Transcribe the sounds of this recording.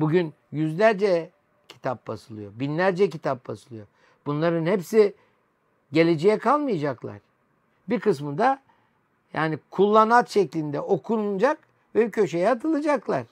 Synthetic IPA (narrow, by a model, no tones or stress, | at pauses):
buɟyn | jyzlʲæɾd͡ʒɛ | cʰi̥t̪ʰap̚basɯlˠɯjo̞binlʲæɾd͡ʒɛcit̪ʰap̚basɯlˠɯjo | b̥unlˠaɾɯnhepsi | ɟe̞lʲed͡ʒejɛkʰalˠmɯjad͡ʒaklˠa̰ɾ̥ | biɾkɯsmɯd̪a | ja̰ːnikʰulˠːanat̪ʃɛclʲind̪ɛʔo̞kʰuɾund͡ʒak | vɛbcʰø̞ʃejɛat̪ʰɯlˠɯd͡ʒaklˠaɾ̥